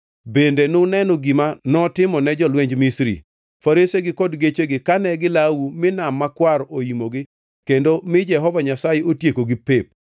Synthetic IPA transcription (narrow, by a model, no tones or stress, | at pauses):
bendenonɛnɔɡimanɔtɪmɔnɛd͡ʒɔlwɛɲd͡ʒmisɾḭ | faɾeseɡɪkɔdɡet͡ʃeɡɪkanɛɡɪlawumɪnamːakwaɾʔoimoɡɪ | kendomɪd͡ʒɛɦɔvaɲasajeotjekoɡɪpep̚